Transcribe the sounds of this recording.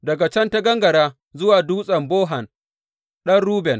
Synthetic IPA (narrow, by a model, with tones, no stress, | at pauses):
dɐ˨ɡa˨t͡ʃɛ˦ntɐ˦ɡɐ˦ŋɡɐ˨ɾaː˦ | zʊ˦waː˨duː˦sʼɐ˨mboː˦ɦɐ˨n | ɗɐ˦nɽuː˦bɛ˨n